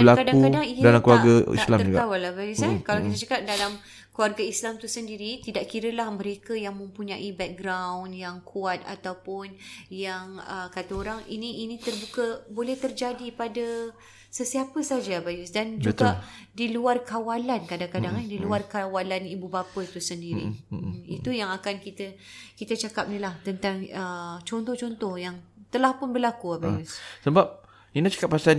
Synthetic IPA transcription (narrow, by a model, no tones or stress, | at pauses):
bəlakadaukadaŋidalamkluaɾɡaḭslamawalabajusakalawkit̪at͡ʃakat̪̚dalam | kluarɡaislamt̪usəndiɾit̪idaʔkiɾəlahmə̃ɾekəjaŋmə̃mpuɲaʔibɛk̚ɡɾawnjaŋkʰuat̪̚a̰t̪awpʊnjaŋəkat̪aoɾaŋḭniinĩt̪ərbukəbolɛht̪ərd͡ʒadipadə | səsiapəsad͡ʒaabajʊsdand͡ʒuɡadiluarkawalankadaŋkadaŋandiluarkawalanibubapət̪usəndiɾḭḭt̪ujaŋakankit̪ə | kit̪at͡ʃakap̚nilaht̪ənt̪aŋət͡ʃɔnt̪ɔht͡ʃɔnt̪ɔhjaŋt̪əlahpʊnbərlakuabajussəbap̚ | inat͡ʃakapːasan